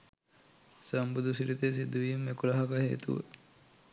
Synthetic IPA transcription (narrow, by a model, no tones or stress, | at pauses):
səmbud̪usiɾit̪esid̪ːuʋijumekulɐɦɐkɐɦeːt̪ṵʋə̰